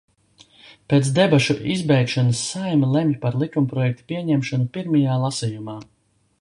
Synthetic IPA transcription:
pet̪sd̪ɛbaʃuʔizbɛjkʃɔnɐsːajmilˠɛmjpaɾlˠikumpɾɔjɛk̚t̪u̥piɛɲɛmʃɔnupiɾmajaːlˠasijumaː

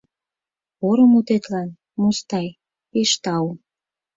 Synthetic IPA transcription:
oɾɤ̆mut̪et̪lɑn | must̪ɑj | eʃt̪ɑu

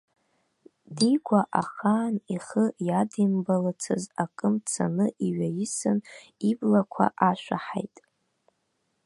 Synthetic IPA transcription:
diɡʷaʔaχaːniχəjadimbalat͡sʰɨzakʼɨmt͡sʰa̰nɨʔiɥajɪsɨn | iblakʷʰa̰ʔaʃʷᶣaħejtʼ

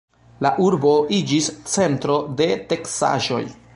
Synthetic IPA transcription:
laʔuɾbo̞ʔid͡ʒist͡se̞ntɾo̞de̞te̞ksa̰ʒo̞̰j

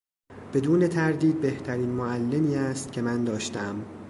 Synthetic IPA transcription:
b̥e̞d̪uːne̞t̪ʰæɾd̪iːd̪̚be̞ht̪ʰæɾiːnmoælːe̞miːæst̪̚cʰe̞mænd̪ɒːʃt̪æm

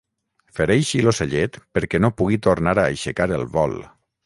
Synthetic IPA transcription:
feɾejʃiloseʎet̪pəɾkɛnopuɣit̪ornaɾaːʃekaɾḛlˠβɔ̰l

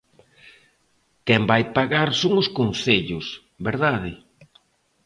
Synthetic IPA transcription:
kɛmbajpaɣaɾsoŋʊskonθeʎʊs | beɾðaðɪ

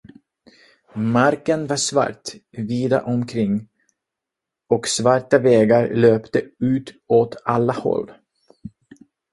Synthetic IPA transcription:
maɾkənvaʂva̰ʈviːd̪a̰ʔɔmkʰɾɪŋː | ɔksvaʈːavɛːɡaɾløːpt̪əʉ̟ːt̪ | oːt̪alːahɔ̰lː

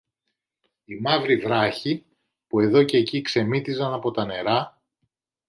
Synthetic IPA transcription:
imɐvɾivɾɐçi | pue̞ðo̞ce̞ːcikse̞mit̪izɐnɐpo̞t̪ɐne̞ɾɐ

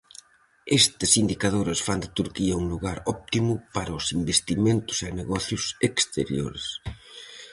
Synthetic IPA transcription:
est̪ɐsind̪ikað̞oɾɐsfand̪ɪt̪uɾkiɐuŋluɣaɾɔp̚t̪imʊpaɾɐʊsimbest̪iment̪ʊ̥seneɣɔθjʊsekst̪ḛɾjo̰ɾes

